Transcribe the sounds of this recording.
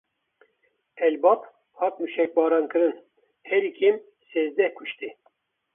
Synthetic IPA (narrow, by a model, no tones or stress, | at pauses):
ɛlbɑp | hɑt̪̚muʃɛk̚bɑːɾɑnkɨɾɨn | hɛlikʲʰem | seːzd̪ɛhkʰuʃt̪i